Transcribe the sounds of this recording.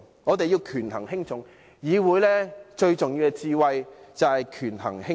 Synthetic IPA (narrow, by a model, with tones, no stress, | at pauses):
ŋɔː˨˧t̪e˨jiː˧wkʰyː˨˩nhɐ˨˩ŋhɪ˥ŋt͡sʰʊ˨˩ŋ | jiː˨˧wuː˨˧jlɛː˥t͡ʃɵ˧ɥt͡sʊ˨ŋjiː˧wkɛ˧t͡siː˧wɐ˨jt͡sɐ˨whɐ˨jkʰyː˨˩nhɐ̰˨˩ŋhɪ˥